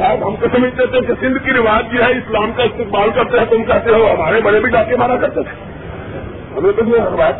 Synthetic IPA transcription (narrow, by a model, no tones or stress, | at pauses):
abɦəmkosəməd͡ʒʱt̪et̪esesɪ̃nd̪ʱkiɾiʋaəd̪kiɦɛɪslaːmkaɪst̪ikmalkəɾt̪eɦɛ̃t̪ʊmkaɦt̪eɦõɦəmaːɾebəɽebʱiɖakemaɾakəɾt̪et̪ʰ | ɦəmepət͡ʃʰeɾʋajt̪